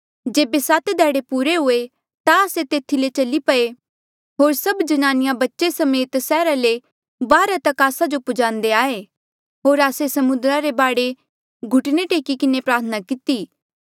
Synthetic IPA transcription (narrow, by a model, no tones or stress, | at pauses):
d͡ʒeːbesaːt̪d̪ʱɛːɽepuːɾeɦʊe | t̪aəːset̪eːt̪ʰːilet͡ʃɐlipɐe | ɦoːɾsɐbd͡ʒɐnaːnɪjãbɐtːʃesɐmeːt̪sɛːɾale | baːɾat̪ɐkaːsad͡ʒopʊd͡ʒãːnd̪eaːe | ɦoːɾaːsesɐmʊ̃nd̪ɾaɾebaːɽe | ɡʱʊʈneʈeːkikɪnepɾaːɾt̪ʰənakɪt̪iː